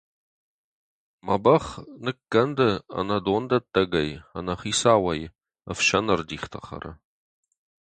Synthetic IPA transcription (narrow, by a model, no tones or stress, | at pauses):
mɐbɐχnɨkɡɐndɐɐ̰nɐdoːndɐt̪ʼːɐɡɐjɐ̰nɐχiːsaːwɐj | ɐfʃɐnɐrdiːχt̪ʰɐχɐ̰ɾɐ̰